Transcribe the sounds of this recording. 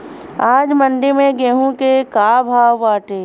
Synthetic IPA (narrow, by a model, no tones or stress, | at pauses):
aːd͡ʒmə̃ɳɖemẽɡeːɦũkekaːbʱaːwːaːʈeː